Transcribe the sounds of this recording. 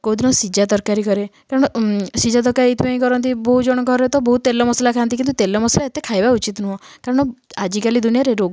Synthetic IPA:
kod̪inɔsid͡ʒad̪ɔɾkaɾikɔɾekaɾɔɽ̃ɔsid͡ʒad̪ɔɾkaɾiit̪ibaĩkɔɾɔnt̪ibɔɦud͡ʒɔɽ̃ɔɡʱɔɾet̪ɔbɔɦut̪ːelːɔmɔsalakʰant̪ikint̪ut̪elːɔmɔsalaet̪ekʰajbaut͡ʃit̪nuɦɔkaɾɔɽ̃ɔad͡ʒikalid̪unijaɾeɾoɡ

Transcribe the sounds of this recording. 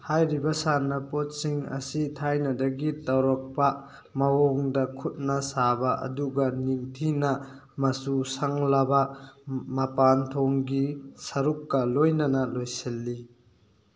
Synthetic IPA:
hajɾibɐsanɐpɔt̚siŋɐ̰sitʰajnɐdɐɡittawɾɔk̚pa | mɐwɔŋdɐkʰut̚nasabɐʔɐ̰duɡɐniŋtʰinɐ | mɐsusaŋlabɐ | mɐpant̪ʰɔŋɡisɐɾukːɐlojnɐnɐlojselːi

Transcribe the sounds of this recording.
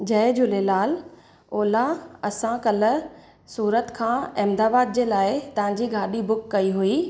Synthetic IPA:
d͡ʑɐɪd͡ʑʊlelaːl | oːlaɐsãkɐl̆ | suːɾət̪kʰãːɪmd̪aːbaːd̪̚d͡ʑeːlaːɪt̪ɐɦãɲ̆d͡ʑiɡʱaːɗibʊkːɐiɦuiː

